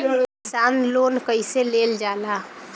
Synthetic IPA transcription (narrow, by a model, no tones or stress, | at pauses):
sanloːnkəɪseleld͡ʒaːla